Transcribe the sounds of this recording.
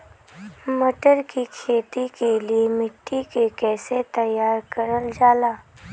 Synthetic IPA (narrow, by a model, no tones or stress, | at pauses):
mɐʈəɾkikʰeːt̪ikeliemɪʈːikekɛːset̪ɐjaːɾkɐɾəld͡ʒaːlaː